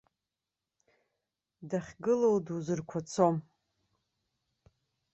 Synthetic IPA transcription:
daχʲɡɨlowduzɨrkʷʰat͡sʰom

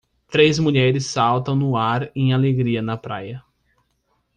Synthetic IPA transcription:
t̪ɾejzmuʎɛɾɪsːawt̪ɐ̃w̃nʊaɾẽj̃aleɡɾiɐnɐpɾa̰jɐ

